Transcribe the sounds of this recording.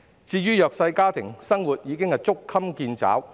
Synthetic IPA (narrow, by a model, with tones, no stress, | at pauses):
t͡siː˧jyː˥jœː˨k̚sɐ˧jkaː˥t̪ʰɪ˨˩ŋsɐ˥ŋwuː˨t̚jiː˨˧kɪ˥ŋhɐ˨˩jt͡sʊ˥kʰɐ˥mkiː˧nt͡sa̰ː˨˥w